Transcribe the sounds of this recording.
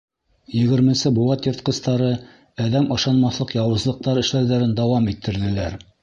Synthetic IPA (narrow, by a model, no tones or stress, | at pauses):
jɘ̆ɡɘ̆ɾmɘ̆nsɘbulˠɑt̪jɤ̆ɾt̪̚qɤ̆st̪ɑɾɤ | æðæmʔɤ̆ʃɑnmɑθlˠɤqjɑwɤ̆zlˠɤ̆q̚t̪ɑɾɘ̆ʃlæwðæɾɘnd̪ɑwɑmit̪ʰːɘ̆ɾðɘ̆læɾ